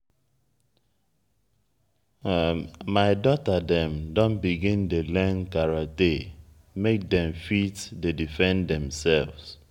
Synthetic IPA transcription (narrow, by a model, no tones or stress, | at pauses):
maɪdɔtadɛ̃mdɔ̃nbiɡĩndelɛ̃nkaɹate | mek̚dɛ̃ɱfitdedifɛ̃ndɛ̃msɛlvs